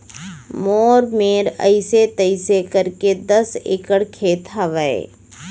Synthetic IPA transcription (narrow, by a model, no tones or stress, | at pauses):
moːɾmeːɾə̰ɪset̪əɪsekəɾked̪ɐsḛkəɽkʰeːt̪ɦɐʋəḛ